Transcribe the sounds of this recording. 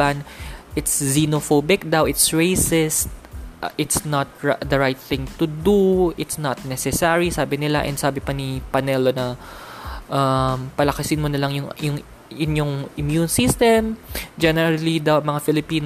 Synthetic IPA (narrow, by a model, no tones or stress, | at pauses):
anʔɪt̪szinofobɪk̚d̪awʔɪt̪sɹejsɪst̪̚ʔɪt̪snɐt̪̚ɹd̪ɐɹajt̪̚θɪ̃ŋt̪ʊd̪uʔɪt̪snɐt̪̚nɛsɛsaɹisaːbɪnɪla̰ʔɛ̰nsaːbɪpɐnipɐnɛlonɐ | ʔɐmpɐlɐkɐsɪnmonɐlɐŋjʊŋjʊŋ | ʔɪnjoŋʔɪmjunsist̪ɛmd͡ʒɛnɛɹɐlid̪awmɐŋafɪlɪpiːn